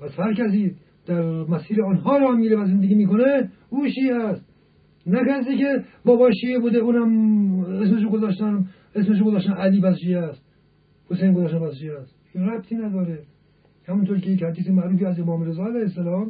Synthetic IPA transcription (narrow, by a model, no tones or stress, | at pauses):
pʰæshæɾkæs̬iː | d̪̥æɾmæsiːɾeɔnɦɒːɾɒːhmiːɾefæzend̪eɡʲiːmiːkone | uːʃieæst̪̚ | nækæɾsikebɒːbɒːʃiːebuːd̪euːnæmesmeʃ̬oɡozæːʃt̪æm | esmeʃ̬oɡozɑːʃt̪ænʔæliːpæsd͡ʒiæst̪̚ | hosejnɡozæːʃ̬t̪æmpʰæsd͡ʒiæst̪iɾæb̚t̪ʰiːnæd̪ɒːɾe | hæmunt̪ʰoɾicejekhæɾd̪iːsimæʔɾuːfiæzemɒːmɾezɒːælæjhesːælɒːm